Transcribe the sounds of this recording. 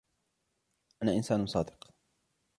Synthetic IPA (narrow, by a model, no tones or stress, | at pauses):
ʔanaːʔɪnsaːnsˤɑːd̪ɨq